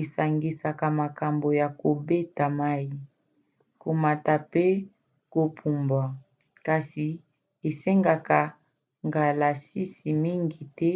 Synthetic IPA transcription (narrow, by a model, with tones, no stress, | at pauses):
e˨sa˨ŋɡi˨sa˨ka˨ma˨ka˨mbo˨ja˨ko˨be˦ta˨ma˦i˦ | ko˨ma˨ta˨pe˦ | ko˨pʰu˨mba˨ | ka˨si˨ | e˨se˦ŋɡa˨ka˨ | ŋɡa˨la˨si˦si˨mi˦ŋɡi˨tɛ˦